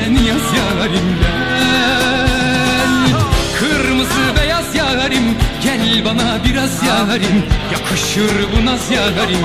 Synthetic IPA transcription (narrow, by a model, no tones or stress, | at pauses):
ɛnjazjaɦaɾɯmb̪æ | nkʰɯɾmɯzɯbɛjazjaɣaɾɯmɟɛnlʲbanabiɾazjaɦaɾɯmjakʰɯʃɯɾbunazjaːɦaɾɯm